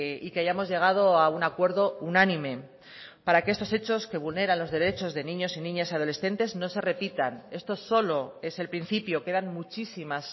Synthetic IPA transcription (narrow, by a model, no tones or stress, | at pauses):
ikeaʝamo̞zʝe̞ɣ̞að̞o̞aunakwe̞ɾðo̞unanĩme̞ | paɾakeest̪o̞se̞t͡ʃo̞ske̞βulne̞ɾanlo̞zðe̞ɾe̞t͡ʃo̞zðenĩɲo̞sinĩɲasað̞o̞le̞sθe̞nt̪e̞zno̞se̞re̞pit̪ane̞st̪o̞so̞lo̞e̞se̞lpɾin̟θipjo̞ke̞ðanmut͡ʃisimas